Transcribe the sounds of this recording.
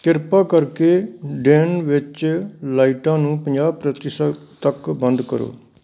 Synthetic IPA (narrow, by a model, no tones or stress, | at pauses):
kɪɾpaːkəɾkeːɖeːnʋɪt͡ʃlaːiʈãːnũːpəɲd͡ʒaːb̚pɾət̪ɪsət̪əkbənd̪kəɾo̰ː